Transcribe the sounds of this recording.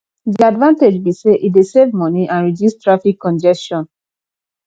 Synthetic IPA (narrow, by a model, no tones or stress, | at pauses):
diadvãnted͡ʒbiseʔidesevmɔniʔãnɹidjustɹafikʰːɔ̃nd͡ʒɛstɔ̃n